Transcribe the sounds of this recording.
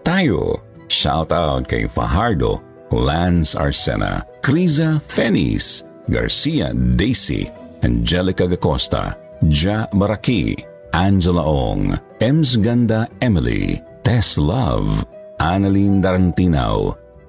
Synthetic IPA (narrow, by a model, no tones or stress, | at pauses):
t̪ajo̰ | ʃa̰wt̪awt̪̚kajfɐ̰ɦaɹd̪o̰ | lansa̰ɹsɛ̰na̰kɾizafɛnḭs | ɡɐ̰ɹsia̰d̪ejsḭand͡ʒɛlɪkɐɡɐkost̪a̰ | d͡ʒabɐɾakḭ | ʔand͡ʒɛlaʔo̰ŋ | ɛms̬ɡand̪aɛmɪlḭ | t̪ɛslɐvʔanɐlind̪ɐɾɐnt̪ina̰w